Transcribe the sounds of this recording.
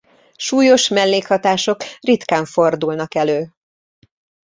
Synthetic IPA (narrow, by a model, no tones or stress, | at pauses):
ʃuːjo̞ʃmɛlːeːkhɒt̪aːʃo̞krit̪kaːɱfo̞rd̪ulnɒkɛløː